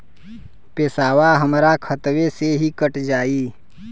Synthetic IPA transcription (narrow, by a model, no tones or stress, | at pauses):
peːsaːwaɦəmɾakʰət̪weseɦikəʈd͡ʒaːiː